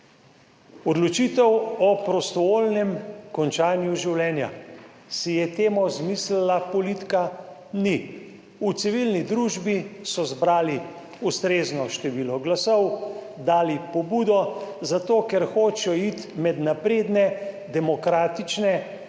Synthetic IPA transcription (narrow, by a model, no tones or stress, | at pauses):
ɔd̪lɔt͡ʃiːt̪ɛwɔpɾɔst̪ɔʋoːlnɛmkɔnt͡ʃaːnjuʒiwlɛːnja̰ | sijɛt̪eːmɔzmisllapɔlit̪i̥ka | ni | ut̪siʋilnid̪ɾuːʒbisɔzbɾaːli | ust̪ɾeznɔʃt̪ɛʋiːlɔɡlasɔw | d̪aːlipɔbuːd̪ɔzat̪oːkɛɾxoːt͡ʃjɔit̪mɛd̪napɾeːd̪nɛ | d̪ɛmɔkɾaːt̪it͡ʃnɛ